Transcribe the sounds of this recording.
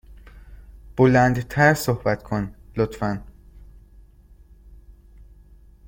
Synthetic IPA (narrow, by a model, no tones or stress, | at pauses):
b̥olænd̪t̪ʰæɾsohbæt̪kʰonlot̪fæn